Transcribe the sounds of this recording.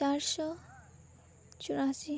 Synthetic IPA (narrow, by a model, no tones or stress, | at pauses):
aɾʃɔ | t͡ɕuɾasi